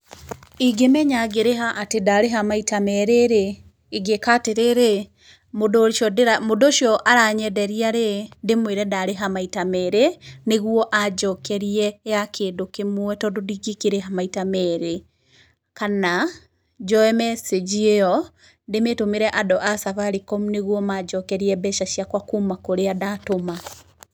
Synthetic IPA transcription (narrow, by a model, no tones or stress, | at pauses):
iɡemɛɲaɡeɾeɦaʔatedaɾeɦamaitamɛɾeɾe | iɡekateɾeɾe | modoʃɔdɾamodoʃjɔʔaɾaɲɛdɛɾiaɾedemweɾɛdaɾeɦamaitamɛɾeneɣwɔʔad͡ʒɔkɛɾiɛjakʰeːndokemwɛtɔdodiɡikeɾeɦamaitamɛɾe | kana | d͡ʒɔɛmɛsed͡ʒieɔ | demetomeɾɛʔadɔʔasaβaɾikɔmuneɣwɔmad͡ʒɔkɛɾiɛbɛʃaʃiakwakumakoɾeadatoma